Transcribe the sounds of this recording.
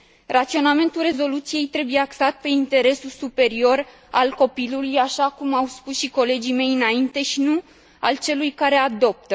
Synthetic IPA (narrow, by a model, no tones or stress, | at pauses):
rat̪sio̞name̞nt̪ulre̞zo̞lut̪sije̞jt̪ɾe̞buje̞aksat̪̚pe̞int̪e̞ɾe̞sulsupe̞ɾio̞r | alko̞pilulujaʃakumawspusʃiko̞le̞d͡ʒime̞jɨnaint̪e̞ʃinu | a̰lt͡ʃe̞lujkaɾe̞ad̪o̞p̚t̪ə